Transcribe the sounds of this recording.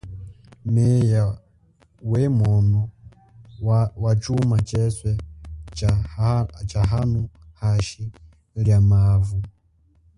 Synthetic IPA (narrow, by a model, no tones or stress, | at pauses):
mɛja | wɛmɔnɔ | wat͡ʃumat͡ʃɛswɛ | t͡ʃaɦanuhaʃi | ljamaːvu